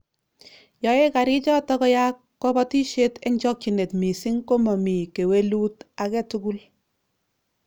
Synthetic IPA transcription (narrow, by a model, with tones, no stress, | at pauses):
jɔ˨e˦ka˨ɾi˦t͡ʃɔ˦tɔ˦kɔ˦ja˦kːɔ˦bɔ˦ti˦ʃe˦te˦ɲt͡ʃɔ˦k̚t͡ʃi˨ne˨tmi˨si˦ŋko˦mɔ˨mi˨ke˨we˦lu˦ta˨kɛ˦tu˦ku˦l